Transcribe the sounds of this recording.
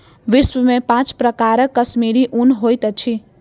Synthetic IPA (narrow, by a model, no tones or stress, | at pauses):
ʋiswəmepãt͡ʃpɾəkaɾəkːəsmiɾiʔunɦojt̪ət͡ʃʰi